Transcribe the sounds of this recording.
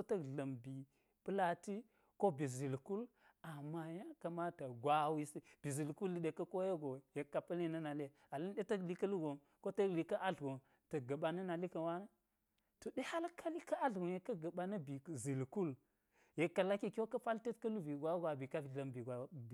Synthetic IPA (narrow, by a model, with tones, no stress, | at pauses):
so˦tɐ˦kɮɐ˨mbi˨ | pɨ˦la˦ti˦ | ko˦bi˨zi˨lku˦l | a˨mːa˨ja˦kɐ˨ma˦ta˨ɡʷa˨wi˦si˦b̥i˨zi˨lku˦lːi˨˦ɗe˨kɐ˦ko˦je˦ɡo˨je˨kːa˨pɐ˦li˦nɐ˦na˨le˦ | a˨li˦nɗe˦tɐ˦kli˦kɐ˦lu˦ɡo˨ | ko˦tɐ˦kli˨kɐ˦ʔa˦ɮɡo˨n | tɐ˨ɡɐ˨ɓa˨nɐ˦na˨li˦kɐ˨wa˦na˦ | to˨ɗe˦ha˦lkʰa˦li˦ka˦a˦ɬɡo˨je˨kːɐ˦ɡɐ˨ɓa˨nɐ˦bi˨zi˨lku˦l | je˨kːa˨la˦ki˦ko˦kɐ˦pa˦lte˦tkɐ˦lu˦vi˨ɡʷa˦ɡʷa˨bi˨ka˦vi˨lɐ˨mbi˨ɡʷa˨